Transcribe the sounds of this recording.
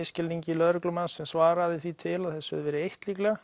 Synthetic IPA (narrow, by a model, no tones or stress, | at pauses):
ɪscɪlniɲcɪlœðɾʏklʏmansːɛmsvaːɾaðɪθvit̪ʰɪlaðθɛsːʏ̰ðʏvɛːɾɪejht̪liklɛɣa